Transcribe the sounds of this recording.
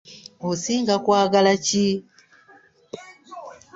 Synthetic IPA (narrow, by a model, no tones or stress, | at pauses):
osiːŋɡakwaːɡalaci